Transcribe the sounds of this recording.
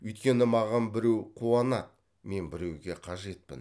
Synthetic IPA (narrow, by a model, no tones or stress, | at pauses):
ʏjt̪kʲe̞nɪmɑʁɑnbɪɾe̞wqʰuwɑnɑt̪̚ | me̞nbɪɾe̞wɡʲe̞qʰɑʒe̞t̪̚pɪ̰n